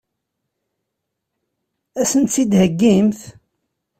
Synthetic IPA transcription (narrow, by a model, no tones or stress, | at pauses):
æsənt̪t͡sːid̪həɡːimθ